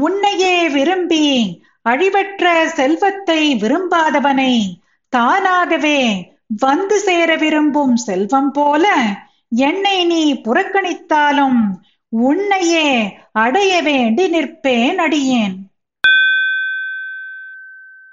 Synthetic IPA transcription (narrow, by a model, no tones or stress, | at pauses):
ʊɳːɐjeːʋɪɾɯmbi | ɐɻɪʋɐʈrɐsɛlʋɐt̪ːɐɪʋɪɾɯmbaːðɐʋɐnɐɪ | t̪aːnaːɣɐʋeː | ʋɐnd̪ɯseːɾɐʋɪɾɯmbɯmsɛlʋɐmpoːlɐ | ɛnːɐɪniːpʊrɐkːɐɳɪt̪ːaːlɯm | ʊɳːɐjeːɐɽɐjɐʋeːɳɖinɪrpːeːnɐɽɪjeːn